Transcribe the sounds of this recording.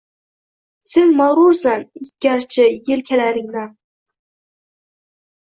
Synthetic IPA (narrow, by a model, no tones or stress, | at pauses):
sɪŋmɑwɾuɾsanɡ̥ʲaɾt͡ʃʰɪjɪlkʲʰelaɾɪŋla